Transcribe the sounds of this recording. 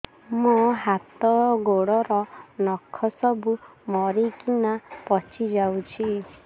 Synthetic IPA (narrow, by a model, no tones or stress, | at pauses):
muɦat̪ɔɡoɽɔɾɔnɔkʰːɔsɔbumɔɾikinapɔt͡ʃʰid͡ʒawt͡ʃʰi